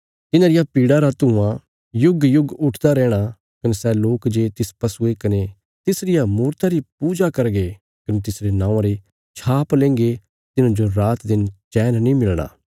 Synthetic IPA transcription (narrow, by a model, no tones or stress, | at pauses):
t̪ɪnaːɾɪjapiːɽaɾat̪ũã | jʊɡjʊɡʊʈʰd̪aɾɛ̃ːɽ̃a | kɐnesɛloːkd͡ʒeːt̪ɪspɐsuekɐne | t̪ɪsɾɪjamuːɾt̪aɾipuːd͡ʒakɐɾɡe | kɐnet̪̬ɪsɾenãːãɾe | t͡ʃʰaːplẽːŋɡe | t̪ɪnũd͡ʒoɾaːt̪d̪ɪnt͡ʃɛːnnĩmɪlɽ̃a̰ː